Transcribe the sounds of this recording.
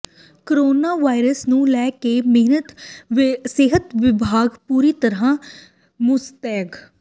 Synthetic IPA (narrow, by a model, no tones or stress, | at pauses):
kəɾoːnaːʋaːɪɾəsnũːlɛːkeːmɪɦnət̪ | sɪɦət̪ʋɪbʱaːɡpuːɾiːt̪əɾãː | mʊst̪ɛːɡ